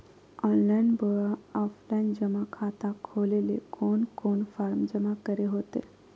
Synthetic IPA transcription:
ɔnlajnbəɭɔflajnd͡ʒəmakʰat̪ãkʰolelekonkonfaɾmd͡ʒəmakəɾeɦot̪ḛ

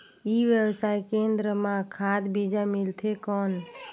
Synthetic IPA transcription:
iʋjəbsajkẽnd̪ɾəmãkʰad̪bid͡ʒamilt̪ʰekɔn

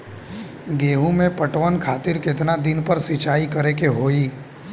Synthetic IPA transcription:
ɡeːɦũmẽpəʈʋənkʰaːt̪ɪɾkɪt̪nad̪ɪnpəɾsɪt͡ʃaːikɐɾekeɦoːiː

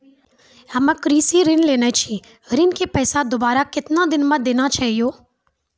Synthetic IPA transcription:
ɐməkɾiːsiɾɪnleːnat͡ʃʰi | ɾɪnkepɛːsad̪obaːɾakɪt̪nad̪ɪnmɐd̪eːnat͡ʃaːɦijoː

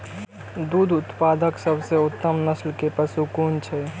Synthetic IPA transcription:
d̪ud̪ʱʊt̪pad̪əksəbʱseʊt̪ːəmnəslkepəsukunt͡ʃʰɛ

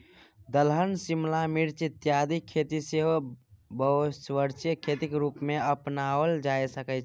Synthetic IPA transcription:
d̪əlɦənsimlamiɾt͡ʃɪt̪jad̪ikʰet̪iseɦbəsʋəɾt͡ʃijəkʰet̪ikɾuːpmẽəpnawəld͡ʒajsəkət͡ʃʰ

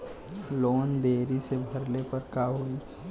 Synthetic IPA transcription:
loːnd̪eːɾisebʱəɾlepəɾkaɦui

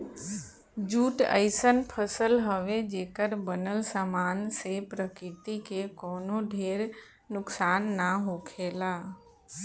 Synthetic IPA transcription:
d͡ʒuːʈə̰ɪsənpʰəsəlɦəʋed͡ʒeːkəɾbənəlsaːmaːnsepɾəkɪt̪ikekɔːnoɖʱeːɾ | nʊksaːnːaɦokʰeːlaː

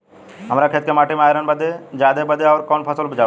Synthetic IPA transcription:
ɦəmɾakʰeːt̪̚kemaːʈʰimeaːjɾənbəd̪ed͡ʒjaːd̪ebəd̪eɔːɾkɔnpʰəsəlbʱəd͡ʒaː

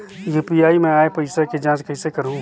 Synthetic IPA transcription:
juːpijaːimɛ̃aːepɐɪsaked͡ʒãːt͡ʃkɐɪsekɐɾũː

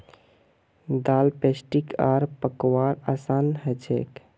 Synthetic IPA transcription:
d̪alpesʈikaɾpəkwaɾasanɦət͡ʃʰḛk

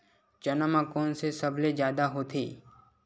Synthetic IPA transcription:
d͡ʒənəmãkoːnsesəbʱled͡ʒjaːd̪aɦoːt̪ʰḭː

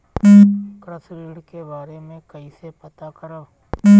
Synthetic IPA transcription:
kɾəsɾiːɽkeːbaːɾeːmẽkəiːsepət̪aːkəɾoː

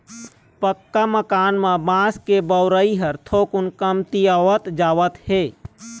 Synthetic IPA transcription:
pəkːaməkaːnmabãːskebəʊɾəiɦəɾt̪ʰoːkʊnkəmt̪iaʋət̪d͡ʒaːʋət̪he

